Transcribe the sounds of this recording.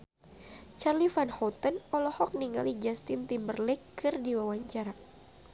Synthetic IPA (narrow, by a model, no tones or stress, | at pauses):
t͡ʃarlifanhɔt̪ənɔlɔhɔk̚niŋa̰lid͡ʒast̪ɪnt̪imbərlɛkːɨrdiwawaɲt͡ʃaɾa